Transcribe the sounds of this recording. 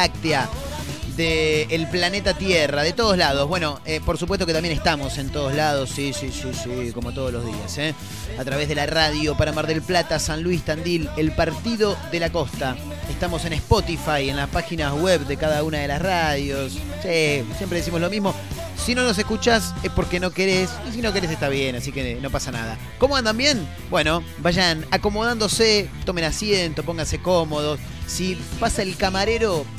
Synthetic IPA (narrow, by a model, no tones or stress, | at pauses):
ak̚t̪ea | ðeːlplanet̪at̪jeraðet̪oð̞olað̞o̞zβwe̞no̞epo̞ɾsupwest̪okeambje̞neht̪amo̞se̞nt̪oð̞ozlað̞o̞sːisisisiko̞mo̞t̪o̞ð̞olozðiase | at̪ɾaβ̞e̞ɦðelaraðjo̞paɾamaɾðelplat̪asanlwist̪and̪ilelpaɾt̪iðo̞ðe̞lako̞st̪a | est̪amo̞se̞nespot̪ifajenlaspaxinaweβd̪ekaðaunaðe̞lasraðjo̞ssesjempɾeðes̬imo̞slo̞mizmo̞ | sino̞no̞s̬e̞hkut͡ʃasehpo̞ɾkeno̞keɾesis̬inokeɾes̬eht̪aβjenasikeno̞pasana̰ð̞a̰ | komoand̪ambje̞n | bwe̞no | baʒanako̞mo̞ðand̪o̞set̪omenasjent̪op̬oŋɡans̬ekomo̞ð̞os | sipasaelkamaɾeɾo̞